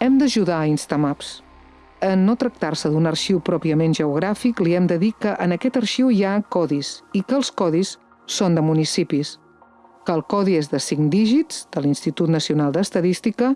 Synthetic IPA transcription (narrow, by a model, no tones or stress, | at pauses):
ɛmd̪əʒuðaəinst̪amaps | ənːot̪ɾək̚t̪arsəðunərʃiwpɾɔpiəmenʒəuɣɾafikliɛmd̪əðikəʔənəkɛt̪əɾʃiwiakɔðisikəːlˠskɔðisː | ond̪əmunisipis | kəːlˠkɔðiezðəsiŋd̪iʒitz̥d̪̥əlinst̪it̪ut̪nəsiunalˠd̪əst̪əðist̪ikə